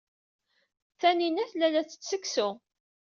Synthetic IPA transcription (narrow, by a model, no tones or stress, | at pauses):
θæninæθlælæθə̥t͡ssəkːsʊ